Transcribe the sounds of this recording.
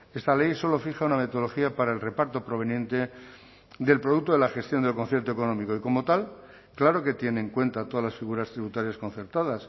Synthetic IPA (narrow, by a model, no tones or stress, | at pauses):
est̪ale̞jso̞lo̞fixauname̞t̪oloxiapaɾaelre̞paɾt̪o̞pɾo̞βe̞nje̞nt̪e̞ | d̪e̞lpɾoðuk̚t̪oðelaxe̞st̪jo̞nd̪elko̞nθje̞ɾt̪oe̞ko̞nõ̞miko̞iko̞mo̞t̪al | klaɾo̞ke̞t̪je̞neːŋkwe̞nt̪at̪o̞ðazlasfiɣuɾast̪ɾiβut̪aɾjaskonθe̞ɾt̪aðas